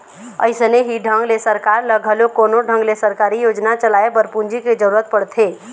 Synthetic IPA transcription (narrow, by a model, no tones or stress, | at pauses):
ə̰ɪsneɦiɖʱə̃ŋɡlesəɾkaːɾləɡʱəlokoːnoɖʱə̃ŋɡlesəɾkaːɾijoːd͡ʒnat͡ʃəlaːebəɾpund͡ʒiked͡ʒəɾuːɾət̪̚pəɽt̪ʰeː